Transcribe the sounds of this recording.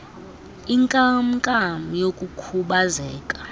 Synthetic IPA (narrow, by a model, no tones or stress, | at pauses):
iŋkʼamkʼam̩jokʼukʰuɓazɛːkʼḁ